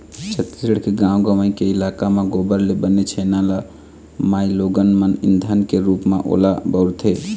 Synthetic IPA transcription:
t͡ʃʰət̪ːisəɽkeɡãːwɡəməikeɪlakameɡoːbəɾlebənet͡ʃʰenala | maːiloːɡənmənɪ̰nd̪ʱənkeɾuːpmẽʔo̰ːlabəɾt̪ʰɦe

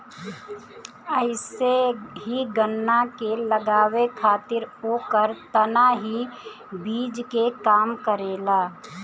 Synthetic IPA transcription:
əɪseɦiɡənːakeləɡaːwekʰaːt̪ɪɾoːkəɾt̪ənaɦi | biːd͡ʒkekaːmkəɾeːlaː

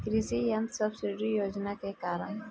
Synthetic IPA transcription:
kɾɪsijə̃nt̪səbsɪɖɾijoːd͡ʒnakekaːɾəɳ

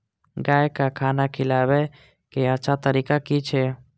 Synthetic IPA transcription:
ɡaːjkakʰaːnakʰɪlaːwe | keətːʃʰat̪əɾiːkakit͡ʃʰeː

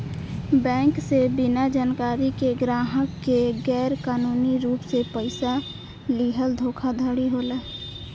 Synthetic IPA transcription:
bɛ̃ːŋksebinad͡ʒaːnkaːɾikeɡɾaːɦəkːeɡɛːɾkaːnuːniɾuːpsepəɪsa | liɦəld̪ʱoːkʰad̪ʱəɽiɦoːləː

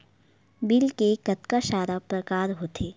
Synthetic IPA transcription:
bɪlkekɐt̪kaʃaːɾapɾəkaːɾɦot̪ʰeː

